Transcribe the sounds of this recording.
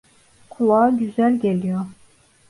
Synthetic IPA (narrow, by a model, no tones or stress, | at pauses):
kʰulˠɑːɡʲyzælʲɡʲelʲijoɾ